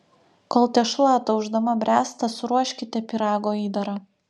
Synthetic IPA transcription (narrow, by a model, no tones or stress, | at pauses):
koːlˠt̪ʲɛʃlˠɑːt̪ɐʊʒd̪ɐmɐbʲɾʲæːst̪ɐsʊɾuɔʃʲkʲɪt̪ʲɛpʲɪɾɑːɡoːiːd̪ɐɾɐ